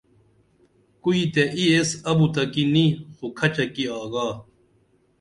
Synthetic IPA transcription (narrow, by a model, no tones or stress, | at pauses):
kuit̪eʔiesɐbut̪ɐkinĩxokʰɐt͡ɕɐkiaːɡaː